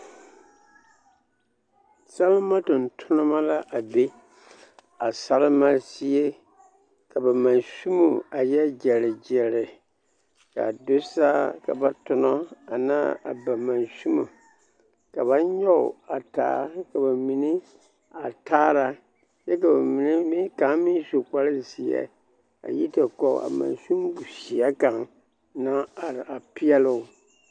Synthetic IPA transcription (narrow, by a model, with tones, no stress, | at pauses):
sa˦lɪ˦ma˦tʊ˨n˨tʰʊ˦nɨ˦ma˦la˦ʔa˨be˦ | a˨sa˦lɪ˦ma˦si˦e˦ | ka˨ba˨ma˨nsu˦mo˨a˨jɛ˦d͡ʒɛ˨lɪ˨d͡ʒɛ˨lɪ˨ | ka̰˨do˦sa˦ka̰˨ba˦tʊ˨nɔ˦a˨naː˦a̰˨ba˨ma˨nsu˦mu˨ | ka˨βa˦ɲɔ˦ʊ̰˨a˨ta̰ː˦ka˨ba˨mi˨ni˦ | a˨taː˦ɾa˦ | jɛ˦ka˨ba˨mi˨ni˦mi˦ka˨˦mɪ˦n˦so˨k͡pa˦lɪ˦zi˨ɛ̰˦ | a̰˨ji˦ta˨kɔ̰˨a̰˨mã̰˨nsu˦mbu˨si˨ɛ˦ka˨ŋ | na˦a˨ɾa˨pɪ˦ɛ˦lʊ˦˨